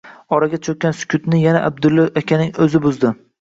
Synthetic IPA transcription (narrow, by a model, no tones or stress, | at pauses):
ɒɾaɡʲat͡ʃʰɵk̚ʲːansʊ̥kʲʰʊt̪nɪjanaʔab̚d̪ʊlːaakʲʰanɪŋɵzɪbʊzd̪ɪ